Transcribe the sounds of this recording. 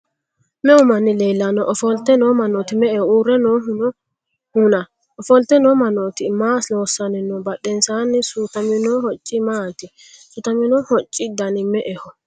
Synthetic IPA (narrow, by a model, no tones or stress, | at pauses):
mɛʊmɐnːɪleːlːɐnɔʔɔfɔlt̪ːɛnɔmɐnɔt̪ɪmɛʔɛhɔuːɾɛnon | hʊnɐ | ɔfɔlt̪ːɛnɔmɐnot̪ɪmaːsnoːsːɐnɪnɔbɐɗɛnsaːnːɪsut̪ɐmɪnɔhɔt͡ʃʼːɪmaːt̪ɪ | sʊt̪ɐmɪnɔhɔt͡ʃʼːɪd̪ɐnɪmɛʔɛhɔ